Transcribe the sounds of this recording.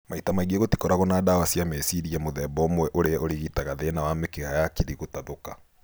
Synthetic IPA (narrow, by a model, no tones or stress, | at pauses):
maitamaiɣeɣoti̥kɔɾaɣɔnaːdawasjamesiɾiamoðɛbɔmwɛʔoɾeaoɾeɣitaɣaðenawamekeɣajakiɾiɣotaðoka